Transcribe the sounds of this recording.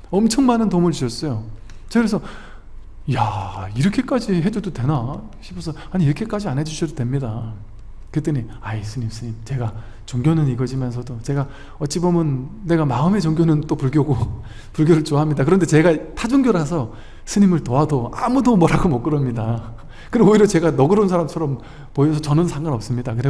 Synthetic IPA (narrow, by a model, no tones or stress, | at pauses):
ʌmt͡ɕʰʌŋmanɯntomɯɭt͡ɕuɕʰʌs͈ʌjo | t͡ɕʌɡɾesʰʌ | jaiɾʌkʰe̞k͈ad͡ʑiɦe̞d͡ʑudodwe̞na | ɕʰipʰosʰʌaɲiɾʌkʰe̞k͈ad͡ʑianɦe̞d͡ʑuɕʰidodwemɲida | kɯt͈ɯɲi | aisʰɯɲimsʰɯɲimt͡ɕe̞ɡa | t͡ɕoŋɡʲjonɯniɡʌd͡ʑimjʌns̬ʰʌdot͡ɕe̞ɡa | ʌt͡ɕ͈ibomjʌnːe̞ɡamaɯme̞t͡ɕʌŋɡjonɯnt͈opuɭɡjoɡo | puɭɡjoɾɯɭt͡ɕoaɦamɲidakɯɾʌnde̞t͡ɕeɡatʰad͡ʑoŋɡjoɾɦas̬ʰʌ | sʰɯɲimɯɭtoadoamudomwʌɾaɡomʌk͈ɯɾʌmɲida | kɯɾeoiɾjʌt͡ɕe̞ɡanʌɡɯɾonsʰaɾamt͡ɕʰʌɾʌm | poes̬ʰʌt͡ɕʌnɯnsʰaŋɡanʌp̚s͈ɯmɲidakɯɾe